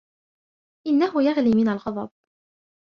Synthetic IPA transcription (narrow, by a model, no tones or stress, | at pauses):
ʔɪnːahʊjaɣliːmɪnalɣɑðˤɑb̚